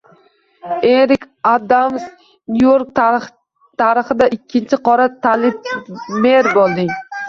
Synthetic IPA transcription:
eɾɪkʲ | ad̪amz | nujoɾk̚t̪ | t̪ʰaɾɪχɪd̪aʔɪkʲʰːɪnt͡ʃʰɪqʰɒɾat̪ʰalɪp̚meɾbolˠd̪ɪŋ

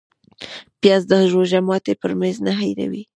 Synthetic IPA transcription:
pjɑzd̪əʒoʒamɑt̪epəɾmenznaɦajɾa̰wi

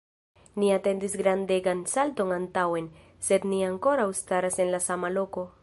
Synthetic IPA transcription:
niate̞ndisɡɾande̞ɡansalto̞nantawe̞n | se̞d̪niaŋko̞ɾawst̪aɾase̞nlasamalo̞ko̞

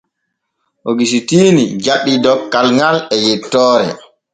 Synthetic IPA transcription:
ʔoɡis̬itiːnid͡ʒaɗːidɔkːalŋɡalɛjɛtːɔːɾɛ̰

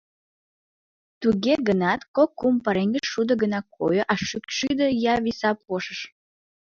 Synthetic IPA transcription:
t̪uɣeɡənɑt̪kokːumpɑɾeŋɡəʃːud̪ə̆ɡənɑkʰo̰joʔɑʃykʃyd̪əjɑβisɑpoʃəʃ

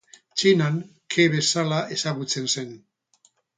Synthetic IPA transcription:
t͡ʃinaŋkʰeβe̞salaʔe̞saɣut͡se̞nse̞n

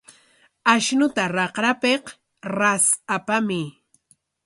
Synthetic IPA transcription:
aʃnʊt̪aɾɑqɾapeq | ɾasapamɪ

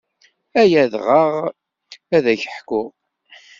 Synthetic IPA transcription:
æjæðʁəʁ | æðæçəħkʊʁ

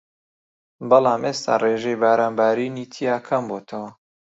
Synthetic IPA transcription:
bɐlaːmʔeːst̪ʰa̰ːreːʒejbaːɾaːnbaːɾiːniːt̪ʰijaːkʰɐmboːt̪ʰɐwɐ

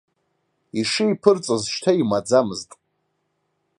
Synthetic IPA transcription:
iʂɨipʰɨrt͡sʼazʃtʰaimad͡zamɨztʼ

